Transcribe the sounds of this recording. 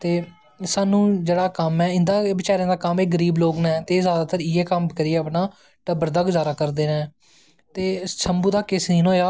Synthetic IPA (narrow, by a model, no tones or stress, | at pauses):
t̪eː | saːnũːd͡ʒeːɽaːkəmɛːɪnd̪aːbɪt͡ʃaːɾj̃ãːd̪aːkəmeːɡəɾiːbloːɡnaɛt̪eːzjaːd̪aːt̪əɾɪɛːkəmkəɾɪːɛːəpnaː | ʈəbəɾd̪aːɡʊzaːɾaːkəɾd̪eːnaː | t̪eːsʰəmbuːd̪aːkɪsniːnɦoːjaː